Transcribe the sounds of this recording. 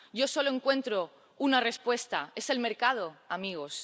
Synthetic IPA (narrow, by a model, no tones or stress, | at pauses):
ɟ͡ʝo̞so̞loe̞ŋkwe̞nt̪ɾo | unare̞spwe̞st̪ae̞se̞lme̞ɾkað̞o̞amiɣ̞o̞s